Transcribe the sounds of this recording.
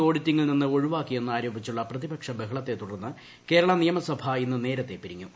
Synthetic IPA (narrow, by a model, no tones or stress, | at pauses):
o̞ːɽitːiŋːɐɭninːɨo̞ɻuʋaːkːie̞nːɨaːɾoːbʱit͡ɕːuɭːɐprɐðibɐkʂɐbeɦɐɭɐt̪ːe̞t̪uɽɐrnːɨ | ke̞ːɾɐɭɐnijɐmɐsɐbʱɐinːɨne̞ːɾɐt̪ːe̞pːiɾiŋːu